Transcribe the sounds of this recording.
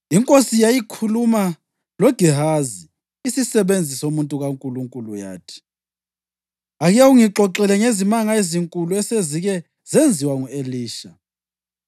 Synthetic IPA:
iŋkʼosijajikʰuluma | lwɔɡ̥ʱiɦazi | isisɛβend͡zʱisoumuntʼuɣaŋkʼuluŋkʼuluja̰ːtʰi̥ | aɣijauŋiǁʱɔǁɛlɛŋezimaŋaeziŋkʼuluɛseziɣɛ | zend͡zʱiwaŋueliːʃa

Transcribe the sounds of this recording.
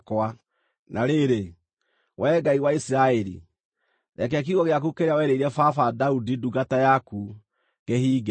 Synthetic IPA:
kwa | nʔaɾeɾe | wʔɛːɡaiwaisiɾaɛɾḭ | ɾɛk̬ɛak̬iɣɔɣeak̬ukeɾeawɛɾeiɾɛfafadaudiduɡatajaku | ɡehiːɡ

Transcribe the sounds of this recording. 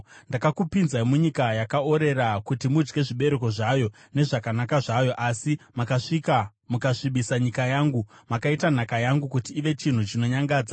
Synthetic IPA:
ndakakupinzaimuɲikajakaoɾe̞ɾakutimud͡ʒɡe̞ʐiɓe̞ɾe̞ko̞ʐajo̞ | ne̞ʐakanakaʐajo̞ʔasimakaʂika | mukaʂiɓisaɲikajaːŋɡumakaitan̤akajaŋɡukutiːʋe̞t͡ʃin̤ut͡ʃino̞ɲaŋɡaːd͡za

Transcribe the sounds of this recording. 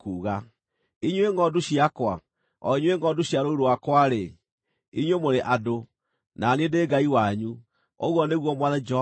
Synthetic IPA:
kuːɣa | iɲweŋɔduɕiakwa | ɔ̰iɲweŋɡɔduɕjaɾoiɾowakwaɾe | iɲwemoɾeʔado | nanendeɡaiwaɲu | oɣwɔneɣwɔmwaðad͡ʒ

